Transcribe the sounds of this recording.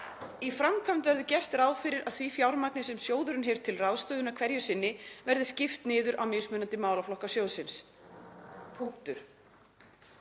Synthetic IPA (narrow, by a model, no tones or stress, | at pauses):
ifɾamkʰam̥t̪vɛɾðʏcɛr̥t̪ɾaːwfɪɾɪɾʔaðθvifjawɾmaknɪsɛmsjoːwðʏɾʏnɦɛɾ̥t̪ʰɪlrawst̪œːðʏnakʰv̥ɛɾjʏsɪnːɪvɛɾðɪscɪft̪nɪːðʏɾʔawmɪsmʏnant̪ɪmaːwlaflɔhkasjoːwsɪns | pʰuŋ̥t̪ʏɾ̥